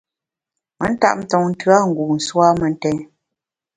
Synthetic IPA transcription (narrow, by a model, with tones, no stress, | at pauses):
mə̰˦n̩˦ta̰˦ʔ̚m̩˦tɔ˨ŋn̩˦tɰa˦ŋ̩˨ɡu˨n̩˨swa˦mə˨n˦tɛ˦n